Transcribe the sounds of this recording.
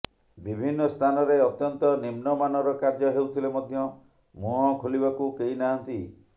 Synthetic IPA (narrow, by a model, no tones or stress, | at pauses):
bibʱinːɔst̪ʰanɔɾeɔt̪jɔnt̪ɔnimnɔmanɔɾɔkaɾd͡ʒɔɦewt̪ʰilemɔd̪ʱjɔ | muɦɔkʰulibakukeɦinaɦant̪i